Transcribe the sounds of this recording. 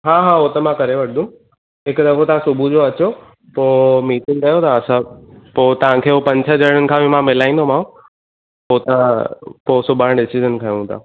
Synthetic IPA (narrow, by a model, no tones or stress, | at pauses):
ɦaːɦaːot̪ɐmãkɐɾeʋɐʈʰd̪ũm | ɦɪkd̪ɐkʰot̪ɐʋ̤ãsʊbʱud͡ʑoɐt͡ɕo | poːmiːʈɪ̃ŋɡkɐjot̪aːsãpoːt̪ɐʋ̤ãkʰeːɦopɐ̃ɲt͡ɕʰəd͡ʑɐɾɽ̃ənɪ̆kʰãbimãmɪlaːĩːn̆d̪omãː | poːt̪ãpoːsʊbʱaːɽ̃ɖɪsizənkʰɐjũt̪ʰa̰